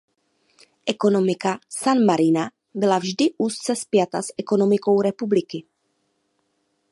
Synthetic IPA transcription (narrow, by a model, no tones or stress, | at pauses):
ʔɛkonomɪkasanmaɾina | bɪlavʒdɪʔussɛspjat̪asɛkonomɪkowrɛpublɪkɪ